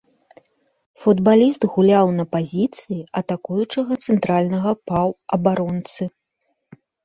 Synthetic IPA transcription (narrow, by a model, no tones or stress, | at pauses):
fud̪balʲist̪ɣulʲawnɐpazʲit̪sɨjiɐt̪akujut͡ʂɐɣɐt̪sɛnt̪ɾalʲnɐɣɐpawɐbaɾɔnt̪sɨ